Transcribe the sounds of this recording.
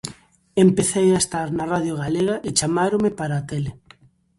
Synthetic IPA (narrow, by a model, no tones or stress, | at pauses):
empeθejaest̪aɾnaraðjoɣaleɣaʔɪt͡ʃamaɾomepaɾaːt̪ele